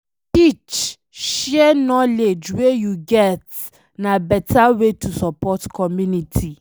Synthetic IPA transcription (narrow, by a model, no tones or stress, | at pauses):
tit͡ʃ | ʃɛnɔled͡ʒwejuɡɛt | nabɛtawetʰusɔpɔtkɔmjunitʰi